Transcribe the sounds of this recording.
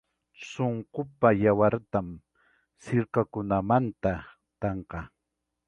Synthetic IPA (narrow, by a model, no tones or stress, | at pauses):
soɴqʊpajawaɾt̪am | sɪɾkakʊnamant̪a | t̪ɑɴqɑ